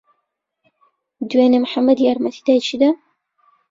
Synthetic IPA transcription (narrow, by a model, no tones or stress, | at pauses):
d̪weːnemħamːɐd̪jaɾmɐt̪ʰid̪ajt͡ʃʰid̪a